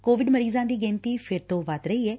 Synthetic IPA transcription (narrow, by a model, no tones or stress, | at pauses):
koːʋɪɖməɾiːzãːd̪iːɡẽːnt̪iːpʰɪɾt̪õːʋət̪ɾəiːɛː